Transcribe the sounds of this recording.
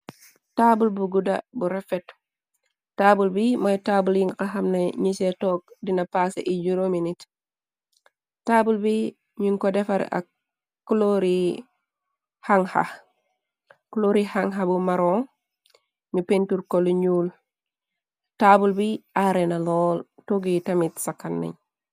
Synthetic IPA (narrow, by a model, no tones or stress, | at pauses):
taːbulbuɡudɐ̰buɾɛfɛt | taːbulbimojtaːbuljiŋɡkaxɐmneɲisetɔːk̚dinɐpasḛʔid͡ʒuɾominit | taːbulbi | ɲiŋkɔdɛfaɾ̰a̰kː | uloɾi | haŋha̰ | kuloɾihaŋɦabumaɾoŋ | mipentuɾkoliɲuːl | tabulbiʔaɾenalɔːltoɡitɐmitsakːanːḛɲ